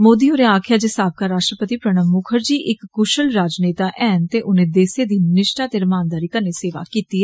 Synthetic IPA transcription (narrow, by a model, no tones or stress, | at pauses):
moːd̪iːɦoːɾẽaːkʰjaːd͡ʒesaːb̚kaːɾaːʃʈɾəpət̪iːpɾəɳ̃əmːʊkʰəɾd͡ʒiːʔɪkɡʊʃəlɾaːd͡ʒneːt̪aːʔɛːnt̪eːʔʊnẽːd̪eːseːd̪iːnɪʃʈaːt̪eːɾəmaːnd̪aːɾiːkəɾneːseːʋa̰ːkiːt̪iɦɛ